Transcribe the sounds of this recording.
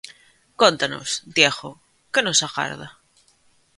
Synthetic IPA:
kont̪ano̰sd̪jexo | kenosaɣa̰ɾða

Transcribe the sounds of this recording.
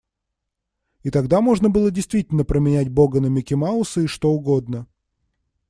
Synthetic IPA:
ɪt̪ɐɡd̪amo̞ʐnəbɨlˠədʲɪjst̪vʲitʲɪlʲnəpɾəmʲɪnʲætʲbo̞ɡənəmʲɪkʲɪmaʊsɨɪʂt̪o̞ʊɡo̞d̪nə

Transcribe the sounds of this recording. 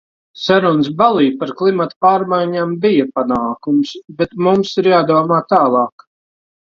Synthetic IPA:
sɛɾɔns̬balˠiːpaɾklˠimat̪paːɾmajɲaːmbijapanaːkumsbet̪mumsiɾjaːd̪uɔmaːt̪aːlˠɑːk

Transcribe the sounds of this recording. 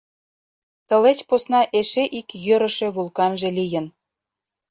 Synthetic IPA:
t̪ə̆let͡ɕposnɑʔeʃeʔikjøɾə̆ʃe̽βulˠkɑnʒĕlijə̆n

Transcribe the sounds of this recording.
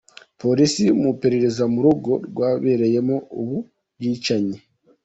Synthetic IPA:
po̞ɾisimupeɾe̞ɾe̞zamuɾuɡo̞ɾɡwaːβe̞ɾe̞je̞mo̞uβu | jiːt͡ʃaɲe

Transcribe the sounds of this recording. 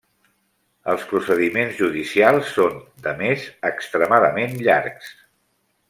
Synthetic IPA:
əlˠspɾusəðimenzʒuðisialˠsːond̪əmezəkst̪ɾəmaðəmenʎa̰ɾks

